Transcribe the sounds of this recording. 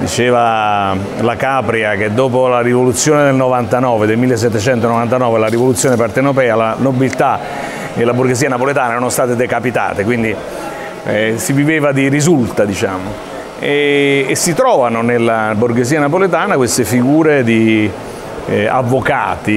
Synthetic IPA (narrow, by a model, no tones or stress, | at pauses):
d̪ḭt͡ʃeːva | lakapɾiak̟ed̪ːoːpolarivolut̪sːjoːned̪elnovant̪anɔːved̪elmilːes̬ːɛt̪ːet͡ʃɛnt̪onovant̪anɔːvelarivolut̪sjoːnepart̪enɾopɛːalanobilt̪a | d̪elːaburɡeziːanapolet̪aːnaɛɾanost̪aːt̪ed̪ekapit̪a̰ːt̪ekwind̪i | siviveːvad̪iɾizult̪ad̪it͡ʃaːmo | eːsːit̪ɾɔːvanonelːaburɡeziːanapolet̪aːnakwest̪efiɡuːɾed̪i | a̰vːoka̰ːt̪i